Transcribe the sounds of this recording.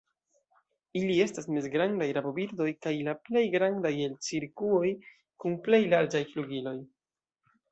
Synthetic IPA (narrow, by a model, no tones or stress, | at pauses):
ilie̞stasmezɡɾandajɾabo̞biɾdo̞jkajlaple̞jɡɾandaje̞lt͡siɾkuo̞j | kunple̞jlaɾd͡ʒajfluɡilo̞j